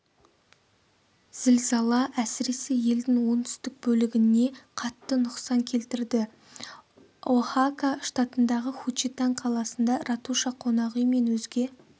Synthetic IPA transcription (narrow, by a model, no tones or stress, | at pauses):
z̥ɪlzɑlˠɑʔæsɪɾe̞sɪje̞ld̪ɪŋwo̞nt̪ʰʏ̥st̪ɪk̚bɵlɪɡʲɪne̞qʰɑt̪ːənʊqsɑŋkʲʰe̞lt̪ɪɾd̪ɪ | woχakaʃt̪ɑt̪ənd̪ɑʁəχut͡ʃit̪ɑɴqʰɑlˠɑsənd̪ɑɾɑt̪uʃɑqʰo̞nɑʁijme̞nwɵzɡʲe̞